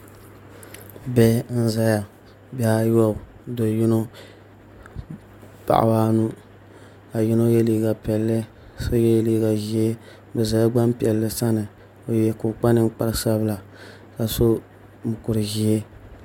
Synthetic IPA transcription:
bɛ˦n̩˦za˦ja˨ | bɛ˨a˦jɔ˦˨ | do˨jɪ˦no˦ | pa̰˨ʔa̰˨baː˦nu˦ | a˨jɪ˦no˦jɛ˦liː˦ɡa˨pɛ˨lːɨ˦ | so˦jɛ˦jliː˦ɡa˨ʒi˦e˦ | bɛ˨za˨˦ja˦ɡ͡ba˦mpi˨ɛ˨lːɨ˨sa˦nɨ˨ | o˨jɛ˨kʊ˨k͡pa˦nɨ˦m˦k͡pa˦ɾsa˦bɨ˦la˨ | ka˨so˦ | mʊ˨kʊ˨ɾɨ˨ʒi˦e˦

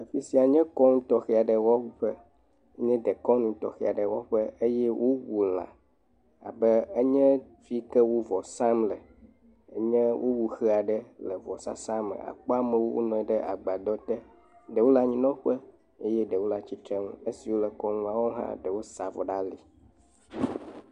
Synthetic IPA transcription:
ə˨fi˦si˨˦a˨ɲɛ̃˦kɔ˦nũ˦t̪ɔ˦xɛ˨˦a˨ɖɛ˨wɔ˦ɸə˦ | ɲɛ̃˦d̪ɛ˨kɔ˦nũ˦t̪ɔ̰˨xɛ̰˦˨a˨ɖə˨wɔ˦ɸə˦e˦jɛ˦wʔo˦wu˨l̃ã̰˨ | a̰˨bɛ˦e˦ɲɛ̃˦ | vi˦kɛ˦wo˦vɔ˨sa˦mlɛ˨ | ə̰˦ɲɛ̃˦wʔo˦wu˨xə˦a˨ɖɛ˦lɛ˨vɔ˨sa̰˦sã˦mə̰˨a̰˨k͡pɔ˦a˦mɛ̃˦wo˦wo̰˦nɔ̃˨ɛ˨ɖɛ˦ʔa˨ɡ͡ba˨d̪ɔ˦t̪ɛ˦ | ɖɛ˨wo˦la˨ɲĩ˨nɔ̃˦ɸə˦ | e˦jɛ˦ɖɛ˨wo˦la˨t͡ɕi˦t̪ɾɛ˦ŋ̃˦e˦si˨wo˦lɛ˨kɔ˦nũ˦a˨wɔ˦ɦã̰˦ɖə˨wo˦sa˨vɔ̰˨ɖa˦li˨

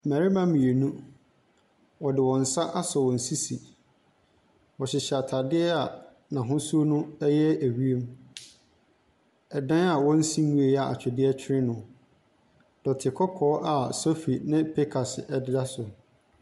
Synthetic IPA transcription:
mæ˨ɾi˦mã˦mĩ˨e˨nũ˦ | wɔ˨dɪ˨wɔ̃˨n̩˨sa˦ʔa˦sɔ˨wɔ̃˨n̩˨si˦si˨ | wɔ˨ɕɪ˨ɕɛ˨a˨tʰa˨dɪ˦ɛ˦a˨ | nã˨ɦʊ̃˦su˦o˦nʊ̃˦ɛ˦jɛ˦æ˨ɥi˦e˦m | ɛ˨dã˦a˨wɔ̃˦n̩˦sĩ˦m˦mũ˦e˨ja˨a̰˨t͡ɕᶣɛ˨dɪ˦ɛ˦t͡ɕᶣʰɪ˦ɾɪ̃˦nʊ̃˨ | d̥ɔ˨tʰɪ˨kʰɔ˦kʰɔː˦ʔa˨so˦fi˨nɪ̃˦pʰe˦kʰa˨sɪ˨ʔɛ˦dɪ˦da˦sʊ˨

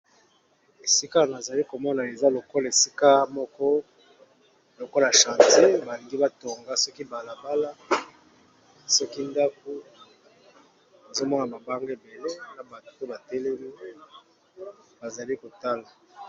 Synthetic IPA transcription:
e˨si˦ka˦˨na˨za˨li˦ko˨mɔ˦na˨e˨za˦lo˨ko˦la˨e˨si̥˦ka˦mɔ˦kɔ˦ | lo˨ko˦la˨ʃã˨te˦ba˨li˨ŋɡi˦ba˦to˨ŋɡa˦sɔ˦ki˦ba˨la˨ba˦la˦ | sɔ˦ki˦nda˦k̚o˦ | a˨zo˦mɔ˦na˨ba˨ba˦ŋɡe˦˨be˨le˦na˨ba˨to˦ba˨tɛ˦le˦li˦ | ba˨za˨li˦ko˨ta˦la˨

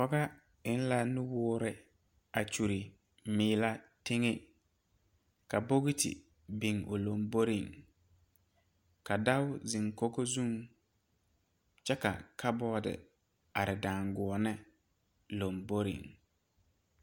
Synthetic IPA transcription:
pɔ˦ɡa˦ | ɪ˦n̩˦la˦nʊ˦wʊː˦ɾɪ˨ | a˨t͡ʃu˨ɾi˨ | mɪː˨˦la˦te˦ŋe˦ | ka˨bo˦ɣi˦tɪ̰˨ | bɪ˨ŋo˨lo˨mbo˦ɾi˨ŋ | ka˨da˦wʊ˦zɪ˨ŋko˦ɡo˦zu˦ŋ | t͡ʃɛ˦ka̰˨kʰa˦bɔː˦dɪ̰˨ | a˨ɾɪ˨da˨ŋɡʊ˨ɔ˨nɪ˦ | lo˨mbo˦ɾḭ˨ŋ

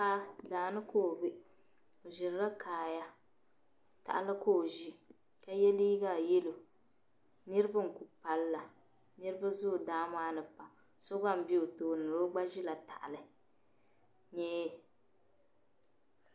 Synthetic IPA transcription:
a˦daː˨nɨ˦kʰoː˦˨bɪ˦ | o˨ʒɪ˨ɾɾa˦kʰaː˨ja˦ | ta̰˨ʔa˨lɨ˦koː˦˨ʒi˦ | ka˦jɛ˦li˦ɡa˦˨jɛ˦lo˨ | nɨ˦ɾɨ˦ba˦ŋ̩˨ku˨pa˨lla˨ | nɨ˦ɾɨ˦ba˦zʊ˦˨daː˨˦maː˦nɨ˨pa˨ | so˦ɡa˦m̩˨bi˦o˨toː˨nɨ˨ɾo˦ɡ͡ba˦ʒi˦la˨ta˨ʔa˨lɨ˨ | ɲɛː˦˨

